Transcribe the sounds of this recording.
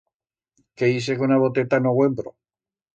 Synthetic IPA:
keis̬ekunaβot̪et̪anoɣwembɾo

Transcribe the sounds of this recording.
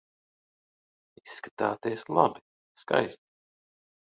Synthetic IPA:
isːkḁt̪aːt̪iɛslˠa̰bi̥ | ska̰jst̪i̥

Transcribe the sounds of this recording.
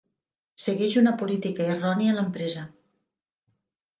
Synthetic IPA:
səɣɛʒunəpulit̪ikəirɔniələmpɾɛzə

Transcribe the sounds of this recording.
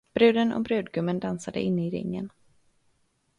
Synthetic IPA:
b̥ɾʉ̟ːd̪ənʔɔ̰bɾʉ̟ːd̪ɡɵmːənd̪ansad̪ə̰ʔɪnːəɪɾɪ̰ŋːə̰n

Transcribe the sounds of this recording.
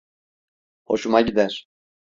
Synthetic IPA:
oʃumaɟid̪ɛɾ

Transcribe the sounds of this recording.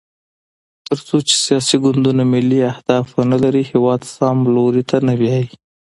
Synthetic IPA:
t̪əɾt͡sot͡ʃe̥sijɑsiɡʊnd̪unamɪlːiahd̪ɑfnalaɾihɪwɑd̪sɑmloɾit̪ʰanawjɑji

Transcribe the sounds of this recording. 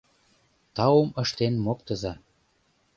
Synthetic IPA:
t̪ɑumə̆ʃt̪enmokt̪ə̆zɑ

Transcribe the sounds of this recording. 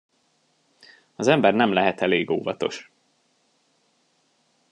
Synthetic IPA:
ɒzɛmbɛrnɛmlɛɦɛt̪ɛleːɡoːvɒt̪o̞̰ʃ

